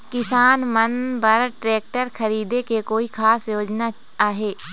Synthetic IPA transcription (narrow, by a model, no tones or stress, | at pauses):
kɪsaːnmɐnbɐɾʈɾeːk̚ʈəɾkʰɐɾiːd̪ekekoːikʰaːsjoːd͡ʒna | aːɦeː